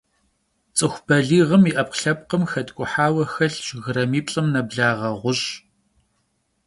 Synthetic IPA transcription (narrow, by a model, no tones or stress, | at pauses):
t͡sʼɨxʷbɐɮiːʁəmiʔɐp̚qɬɐp̚qəmxɐtʼkʷʼʊħaːwɐxɐɬʒɣɨɾɐmiːpɬʼɨmnɐbɮaːʁɐʁʷʊɕ